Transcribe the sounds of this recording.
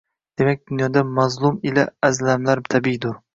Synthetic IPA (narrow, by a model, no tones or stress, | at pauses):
d̪̥emɛk̚ʲd̪unjɒd̪amazlˠumɪlaːzlamlaɾt̪ʰabid̪ʊɾ